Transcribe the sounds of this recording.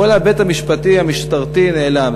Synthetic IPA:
olabet̪hamiʃpat̪ihamiʃt̪aʁt̪ineelam

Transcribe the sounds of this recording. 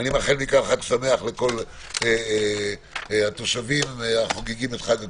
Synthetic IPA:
nimaχelmikaχat̪same̞aχle̞ko̞l | e | at̪o̞ʃavimaχoɡiɡimet̪χade

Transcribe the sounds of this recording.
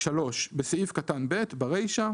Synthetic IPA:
ʃalo̞ʃbeseifkatanbe̞t̪baʁejʃa

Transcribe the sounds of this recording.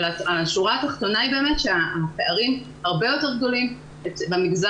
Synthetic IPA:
laaʃuʁaat̪aχt̪o̞naibe̞ːmetʃeaapeaʁim | haʁbe̞jo̞te̞ʁɡd̪o̞lim | et͡sbemiɡza

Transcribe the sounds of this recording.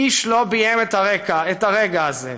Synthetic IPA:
iʃlo̞bijemet̪aʁekaetaʁeɡaːzḛ

